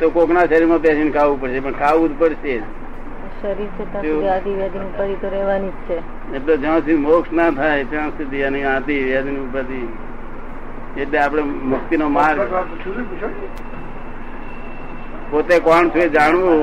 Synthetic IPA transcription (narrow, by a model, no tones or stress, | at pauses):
t̪okoknaʃəɾiɾmãpɛsinkʰaʋũpəɽʃepəɳkʰaʋũt̪pəɽʃe | ʃəɾiɾt͡ʃʰet̪ãeãd̪iʋjad̪inupat̪it̪oɾɛʋanit͡ʃʰe | etlod͡ʒə̃ːsimokʃnat̪ʰajt͡ʃə̃sit̪iəneãt̪iʋjad̪inũpat̪i | eʈleap̬ɽ̃emʊk̚t̪inomaɾ | pot̪ekɔɳt͡ʃʰued͡ʒaɳ̃ʋo